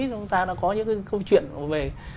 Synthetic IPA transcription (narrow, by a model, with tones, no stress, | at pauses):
t͡ɕʊ˨˦ŋ͡mt̪aː˧ɗa̰ː˧˥kɔ˨˦ɲɨ̰˧˥ka˨˦kə˧wt͡ɕwḭ˧˨ən˨˩ve˨˩